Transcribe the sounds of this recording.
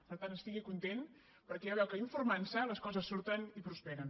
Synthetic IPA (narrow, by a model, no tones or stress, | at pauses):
pəɾt̪anəst̪iɣikunt̪en | pəɾkɛaβɛwkəiɱfuɾmansələskɔzəsːuɾt̪ənipɾuspɛɾən